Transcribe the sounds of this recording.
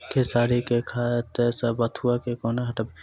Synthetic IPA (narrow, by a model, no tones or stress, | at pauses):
kʰesaːɾikekʰat̪esɐbɐt̪ʰuakekoːneɦɐʈɐb